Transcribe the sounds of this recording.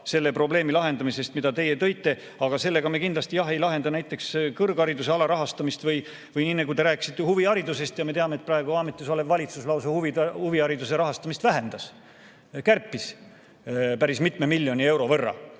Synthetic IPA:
se̞lːe̞pro̞ble̞ːmilɑɦe̞nd̪ɑmise̞st̪mid̪ɑt̪e̞je̞t̪ɤ̞jt̪ːe̞ | ɑɡ̥ɑse̞lːe̞ɡ̥ɑme̞kind̪lɑst̪ijɑɦe̞jlɑɦe̞nd̪ɑnæjt̪ːˑe̞kskɤrɡ̥ɑɾid̪use̞ɑlɑɾɑɦɑst̪ɑmist̪vɯj | vɯjninːekujt̪eɾæːkːˑi̥sit̪ˑːehuviɑɾid̪use̞st̪jɑme̞t̪eɑmet̪̚prɑeɡ̥uɑːmet̪ːˑisolevvɑlʲit̪suslɑwsehuvihuviɑɾid̪use̞ɾɑɦɑst̪ɑmist̪væɦe̞nd̪̥ɑs | kærpːis | pæɾismit̪me̞milʲːjo̞nʲie̞wɾo̞vɤrːɑ̰

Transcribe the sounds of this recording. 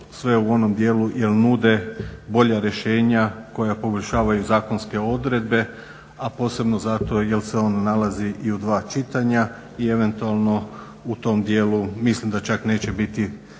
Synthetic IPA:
sʋe̞uo̞no̞md̪je̞ːluje̞lnuːd̪e̞bo̞ʎaɾje̞ʃe̞ːɲako̞japo̞bolʲʃaːʋajuzaːko̞nske̞o̞d̪ɾe̞d̪̚be̞ | apo̞ːse̞bno̞zat̪o̞je̞lseo̞nanalaziʔiud̪ʋaːt͡ʃit̪aɲa | ie̞ʋe̞nt̪ualˠno̞ | ut̪o̞md̪je̞ːlumislimd̪at͡ʃakne̞ːt͡ɕe̞bit̪i

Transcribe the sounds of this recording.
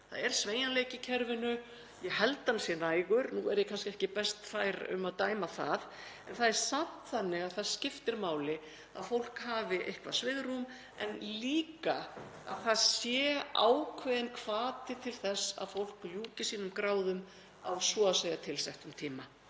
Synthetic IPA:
θa̰ðɛɾ̥sveːjanleːjcɪcʰɛɾvɪnʏ | jɛɦɛlt̪ːansjɛnaːjɣʏɾnuɛɾjɛkʰanscɪɛhcɪpɛst̪faːjɾʏ̰maðt̪aːjmaθa̰ð | ɛnθaðɛɾ̥sat̪θanːɪɣaðθaðscɪft̪ɪɾmaːwlɪ | a̰ðfowl̥khaːvɪʔehkvḁsvɪðɾum | ɛnliːka | a̰ðθaðsjɛːaːwkʰvɛðɪnkʰv̥aːt̪ɪt̪ʰɪlθɛsːa̰ðfowl̥kljuːcɪsiːnʏmkɾaːwðʏm | awsvɔaseːjat̪ʰɪlsɛht̪ʏmt̪ʰiːma

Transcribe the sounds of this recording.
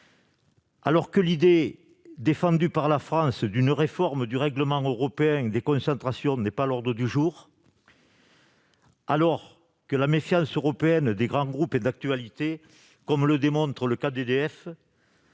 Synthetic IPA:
a̰lɔʁkəlid̪e | d̪efɑ̃d̪ypaʁlafχɑ̃sd̪ynəʁefɔʁməd̪yʁɛɡləmɑ̃ŋøʁɔpeɛ̃d̪ekɔ̃sɑ̃nt̪χasjɔ̃nɛpalɔʁd̪ʁəd̪yʒuʁ | alɔʁ | kəlamefjɑ̃søʁɔpeɛnd̪eɡʁɑ̃ŋɡʁupɛd̪ak̚t̪yalit̪e | kɔmləd̪emɔ̃nt̪χələkad̪ed̪eɛf

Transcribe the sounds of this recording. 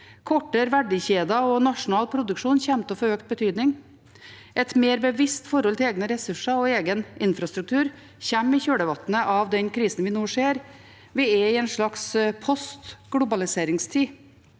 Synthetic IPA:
kʰɔʈːəɾʋæɖɪçeːd̪ɑɔnɑʂʊnɑːlpʰɾʊd̪ʉkʂuːnçɛmt̪əfɔɾøːkt̪̚bət̪ʰyːd̪nɪŋ | ɛt̪meːɾbəʋɪst̪fɔɾɔlt̪ʰɪleːɡnəɾɛsʉʂəɔeːɡənɪnfɾɑst̪ɾʉk̚t̪ʰʉːɾ | çɛmːɪçøːɽəʋɑt̪nəʔɑʋd̪ɛnkʰɾiːsn̩ʋɪːnuːʂeːɾ | ʋɪɛɪɛːnʂɭɑkspʰɔst̪ɡ̥ɽʊbɑlɪseːɾɪŋst̪ʰiː

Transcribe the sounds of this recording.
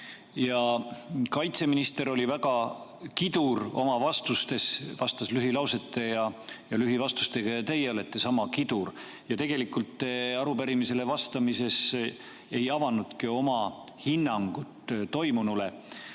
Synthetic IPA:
jɑkɑjt̪se̞minist̪e̞ɾo̞lʲivæɡɑkid̪̥uɾo̞mɑvɑst̪ust̪e̞svɑst̪ɑslyɦilɑwse̞t̪ːˑe̞jɑjɑlyɦivɑst̪u̥st̪eɡ̥ɑjɑt̪e̞jeolet̪ːˑesɑmɑkid̪̥uɾ | jɑt̪e̞ɡ̥e̞likult̪ːˑeɑɾupæɾimise̞le̞vɑst̪ɑmise̞s | e̞jɑvɑnud̪̥kio̞mɑhinːɑŋɡ̥ut̪ːt̪o̞jmunule̞

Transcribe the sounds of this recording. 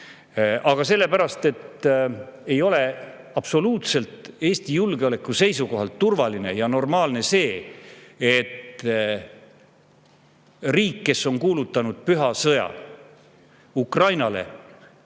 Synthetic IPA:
ʔɑɡ̥ɑse̞lːe̞pæɾɑst̪e̞t̪ | e̞jo̞le̞ | ɑb̥so̞luːt̪se̞lt̪e̞ːst̪ijulɡ̥eole̞kːˑuse̞js̬uko̞ɦɑlt̪ːurvɑline̞jɑno̞rmɑːlne̞se̞ː | et̪ | riːkːe̞sːo̞nkuːlut̪ːˑɑnud̪̥̚pyɦɑsɤjɑ̰ | ukrɑjnɑle̞̰

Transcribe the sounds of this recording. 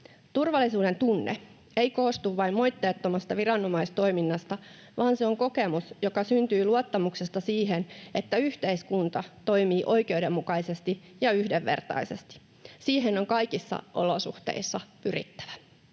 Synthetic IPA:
t̪urʋɑlisuːde̞nt̪unːḛ | e̞jko̞ːst̪uʋːɑimmo̞jt̪ːeːt̪ːomɑst̪ɑʋirɑnːo̞mɑist̪o̞iminːɑst̪ɑ | ʋɑːnseo̞ŋko̞ke̞musjo̞kɑsynt̪yːluɑt̪ːɑmuksest̪ɑsiːɦenet̪ːæyht̪eiskunt̪ɑt̪o̞jmiːʔo̞ike̞udemːukɑjse̞st̪i | jɑyhdeʋːe̞̰rt̪ɑ̰ise̞̰st̪i̥ | siːɦeno̞ŋkɑjkisːɑ̰ʔo̰losṵht̪ḛisːɑpyrḭt̪ːæ̥ʋæ

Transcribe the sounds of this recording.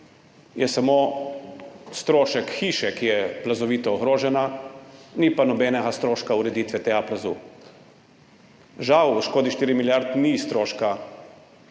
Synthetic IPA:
jɛsamo | st̪ɾoːʃɛkxiːʃɛkijɛplazɔʋiːt̪ɔːɣɾoːʒɛna | nipanɔbɛnɛɡast̪ɾoːʃkauɾɛd̪iːt̪ʋɛt̪eːɡaplazṵː | ʒawʃkoːd̪iʃt̪iːɾimiljaɾt̪nist̪ɾoːʃka

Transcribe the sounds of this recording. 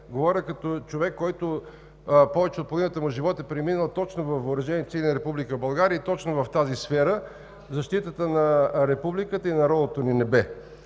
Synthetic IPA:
ɡovɔɾʲəkɐt̪ɔt͡ʃovɛkːɔjt̪ʊ | pɔvɛt͡ʃɛot̪̚poninət̪əmʊʒivɔt̪ɛpɾɛminəlˠt̪ɔt͡ʃnovɐfvəʊɾɐʒɛniɛfsilʲnəɾɛpublikəbɐlˠɡaɾiəit̪ɔt͡ʃnovɐft̪azisfɛɾə | zɐʃt̪it̪ət̪ənɐɾɛpublikət̪əinɐɾɔlˠot̪oninɛbɛ

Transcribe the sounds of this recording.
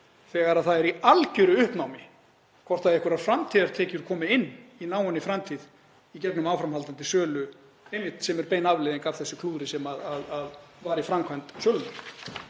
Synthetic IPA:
θɛːɣaɾaðθaðɛɾialcʏɾʏʏhpnawmɪ | kʰvɔrt̪aðɛhkʏɾaðfɾamt̪ʰiðaɾ̥t̪ʰɛːcʏɾ̥kʰɔːmɪɪnːinaːwanːɪfɾamt̪ʰiːð | icɛknʏmaːwfɾamhalt̪ant̪ɪsœːlʏ | ejmjɪht̪sɛmɛɾpeːjnavleðɪnŋkav̥θɛsːɪkʰluːðɾɪsɛmaðaðaðvaːɾifɾamkʰvajnt̪sjœlnʏɾ

